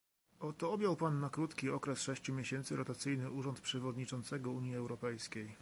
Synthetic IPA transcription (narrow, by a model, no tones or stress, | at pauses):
ɔt̪ɔɔbʲjawpanːakɾut̪kʲiɔkɾɛsʂɛɕt͡ɕumʲjeɕɛnt̪sɘɾɔt̪at̪sɘjnɘuʐɔnt̪pʂɛvɔd̪ɲit͡ʂɔnt̪sɛɡɔuɲjiɛwɾɔpɛjskʲej